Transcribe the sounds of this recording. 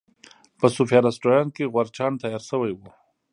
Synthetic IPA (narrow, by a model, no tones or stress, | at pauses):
pəsufjɑɾasʈojɑnkeɣwaɾt͡ʃɑːnt̪ɑjɑɾsəwajwu